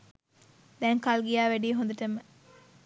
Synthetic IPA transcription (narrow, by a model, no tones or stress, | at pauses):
d̪ɛŋkalɡijæːʋæɖiːɦũnd̪ɐʈɐmə